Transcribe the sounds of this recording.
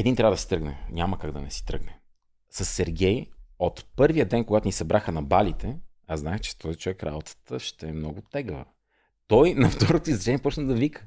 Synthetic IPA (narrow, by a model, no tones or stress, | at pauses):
ɛd̪int̪ɾavəd̪əsi̥t̪ɾəɡnɛɲʲaməkaɡd̪ɐnɛsi̥t̪ɾəɡnɛ | sɐsːɛɾɡʲɛjot̪pɤɾvijəd̪ɛnkoɡat̪ʊnisɐbɾaxənɐbalit̪ɛ | aznaxt͡ʃɛ̥t̪ʰɔit͡ʃovɛkɾa̰bot̪ə̥t̪əʃt̪ɛːmnɔɡʊt̪ɛɡəvə̰ | t̪ɔjnɐft̪ɔɾot̪oizɾɐt͡ʃɛniɛpɔt͡ʃnəd̪ɐvikə̥